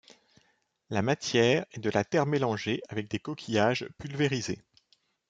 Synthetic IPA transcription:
lamat̪jɛːʁɛd̪əlat̪ɛʁmelɑ̃ʒeavɛk̚d̪ekɔkʲʰijaʒpylveʁize

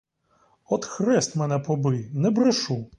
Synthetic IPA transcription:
ɔt̪xɾɛst̪ʲmɛnɛpɔbɨjnɛbɾɛʂu

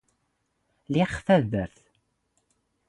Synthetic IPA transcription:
liχfæðəɾθ

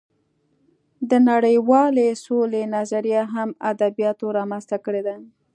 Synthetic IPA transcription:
d̪ənaɽəjwɑlesolenazaɾijaɦamad̪abijɑt̪oɾɑmanst̪akəɽed̪a

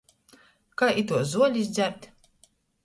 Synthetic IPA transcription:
kaʔit̪uɔzuɔlʲizd̪zʲæɾt̪ʲ

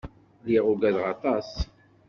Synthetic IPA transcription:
ðiʁʊɡæðʁɑt̪ˤɑs

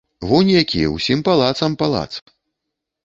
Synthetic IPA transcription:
vunʲjakʲijɛ̰wsʲimpalˠat̪sɐmpalˠa̰t̪sp

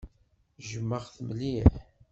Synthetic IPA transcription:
ʒəmːəʁθəmliħ

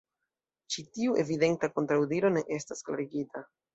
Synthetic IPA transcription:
t͡ʃitiuʔe̞vide̞ntako̞ntɾawdiɾo̞ne̞ʔe̞staskla̰ɾiɡita

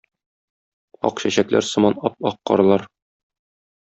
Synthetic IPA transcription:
ɒ̰qɕæɕæklæ̰ɾsɤ̆mɑnɒp̚ɒqːɒ̰ɾɤ̆lˠɑɾ

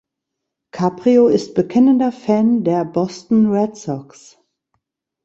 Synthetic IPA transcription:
kʰaːpʁ̥ioɪst̚b̥əkʰɛnəndɐfɛndeːɐbɔstn̩ʁɛtsɔks

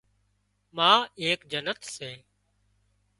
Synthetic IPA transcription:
mãːeːkd͡ʒənət̪seː

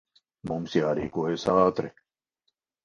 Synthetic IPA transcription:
momsjaːɾḭːkoesaːt̪ɾɛ̰

